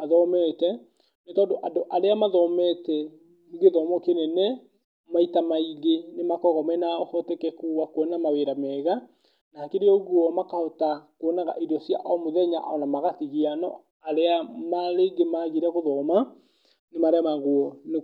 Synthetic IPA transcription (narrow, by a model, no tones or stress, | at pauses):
aðɔmɛːtɛ | netɔːndoʔadoʔaɾeamaðɔmɛtɛ | ɡeðɔmɔkenenɛ | maitamaiɣenemakɔɣɔmɛnaɔhɔtɛkɛkuwakwɔnamaweɾamɛːɣa | nakeɾeɔɣwɔmakahɔtakoɔnaɣa̰ʔidɔsja̰ʔɔmoðɛɲa̰ʔɔnamaɣatiɣianɔ̰ | aɾeamaɾeɡemaɣiɾɛɣoðɔːma | nemaɾeamaɣwɔne